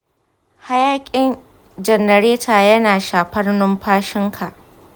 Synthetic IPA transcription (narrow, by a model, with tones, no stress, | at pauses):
ha˦jaː˦kʲʼɪ˦n | d͡ʒɐ˨nːɐ˨ɾeː˦tʰaː˨jɐ˦naː˨ʃaː˨ɸɐ˦rnʊ˦mɸaː˦ʃɪ˦ŋkʰa˨ʔ